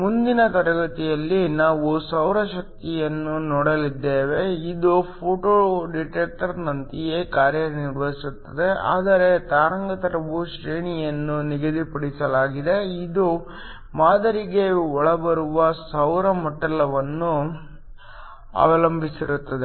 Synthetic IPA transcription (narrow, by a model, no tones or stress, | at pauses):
mund̪inɐt̪ɐɾɐɡɐt̪ijɐlːinaːʋusɐwɾɐʃɐk̚t̪ijɐnːunɔːɽɐlid̪ːeːʋe̞id̪upʰoːʈoɖiʈeːk̚ʈɐɾnɐnt̪ijeːkaːɾjɐniɾʋɐɦisut̪ːɐd̪e̞a̰ːd̪ɐɾe̞t̪aːɾɐŋɡɐt̪ɐɾɐʋuʃɾeːɳijɐnːuniɡɐd̪ipɐɽisɐlaːɡid̪e̞id̪u | maːd̪ɐɾiɡe̞ɔɭɐbɐɾuʋɐsɐwɾɐmɔʈːɐlɐʋɐnːu | ɐ̰ʋɐlɐmbʱisiɾut̪ːɐd̪e